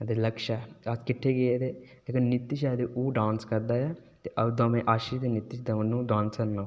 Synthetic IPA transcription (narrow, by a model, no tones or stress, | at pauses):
d̪eləkʃaːaskɪʈʰːeːɡeeːd̪eːleːkənnɪt̪ːɪʃɛːd̪eːʔuːɖãːnskəɾd̪aːjaːt̪eːʔəbd̪õːmɛ̃ːʔaːʃiʃd̪eːnɪt̪ːɪʃd̪nũːɖãːnskəɾnaːo